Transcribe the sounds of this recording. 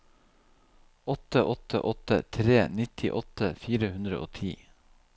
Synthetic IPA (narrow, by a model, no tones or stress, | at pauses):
ɔt̪əʔɔt̪ə̰ʔɔt̪ət̪ʰɾeːnɪt̪ʰɪ̰ʔɔt̪əfiːɾəhʉnd̪ɾə̰ʔo̰ːt̪ʰiː